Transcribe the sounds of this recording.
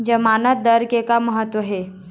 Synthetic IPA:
d͡ʒɐmaːnət̪̚d̪əɾkekaməɦət̪wəɦɛː

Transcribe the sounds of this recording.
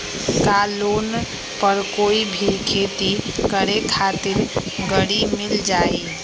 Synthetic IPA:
kalon | pəɾkoibʱikʰet̪ikəɽekʰat̪ɪɾɡəɽimild͡ʒaːi

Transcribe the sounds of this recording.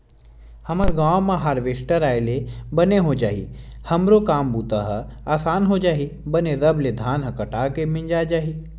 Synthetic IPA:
hɐmaɾɡãːwmãɦaːɾʋeːsʈəɾaːelebɐneɦod͡ʒaːɦḭhɐmɾokaːmbuːt̪aɦaːsaːnɦod͡ʒaːɦibəneɾɐbled̪ʱaːnɦɐkɐʈaːkemɪ̃ɲd͡ʒad͡ʒaːɦi

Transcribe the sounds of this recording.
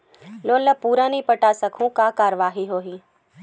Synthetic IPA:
loːnləpuːɾanipɐʈaːsɐkʰũkakaːɾəʋaːɦiɦoːɦi

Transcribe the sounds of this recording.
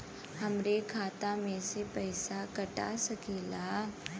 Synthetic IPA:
hɐmɾekʰaːt̪amẽsepɐɪsakɐʈa̰sɐkeːlaː

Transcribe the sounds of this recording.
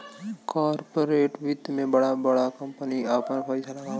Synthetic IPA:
kɔːɾpoɾeːʈʋɪd̪mẽbɐɽabɐɽakɐ̃mpəniapnapʰaːɪsalaɡa

